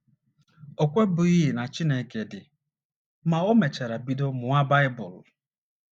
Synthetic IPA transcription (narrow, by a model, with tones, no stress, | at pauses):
o˨kʷe˦bʊ˨i˦ɦe˨na˨t͡ʃi˦ne˨ke˨dɪ˨ | ma˨o˦me˨t͡ʃa˨ɾa˨bi˦do˦mʊ˨a˦ba˦ɪ˦bʊ˨l